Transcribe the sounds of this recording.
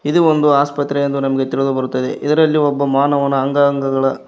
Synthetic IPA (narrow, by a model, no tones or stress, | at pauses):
id̪uond̪uaːspɐt̪ɾeend̪unɐmɐɡet̪iɭid̪ubɐɾut̪ːɐd̪ḛʔid̪ɐɾɐlːiɔbːɐmaːnɐʋɐnːɐːŋɡaŋɡɐɡɐɭɐ